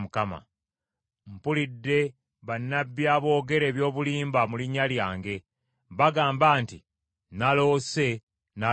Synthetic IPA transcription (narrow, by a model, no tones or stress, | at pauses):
mukama̰ | mpulidːe̞ | βanːabːjaβo̞ːɡe̞ɾe̞ːβjo̞ːβuliːmbamuliɲaljaːŋɡe̞ | βaɡaːmbaːnti | nalo̞se̞ | na